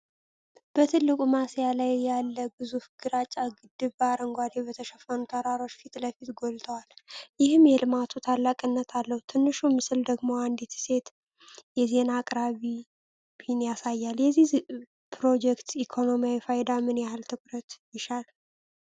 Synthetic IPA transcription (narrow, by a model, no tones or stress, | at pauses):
b̥ət̪ʰɨlːɨkʼumasjalajːalːəbɨzufɡ̥ɨɾat͡ʃʼːaɡɨd̪ɨβbaɾəŋɡʷad̪ebət̪ʰəʃɛfənut̪ʰəɾaɾo̞t͡ʃːfit̪ʼləfit̪ɡo̞lt̪ʰəwaljɪhɨmjɛlɨmat̪ʰut̪ʰalːakʼɨnːət̪ʰalːəhut̪ʰɨnːɨʃumɨsɨld̪əɡmo̞and̪it̪ʰse̞t̪ | jɛze̞naːkʼɾaβi | b̥ihɪnjasajːaljɛzːih | pʰɾo̞d͡ʒɛkt̪ikʰo̞no̞mijawifajd̪amɨnjahɨlt̪ʰɨkʼɾət̪jɪʃal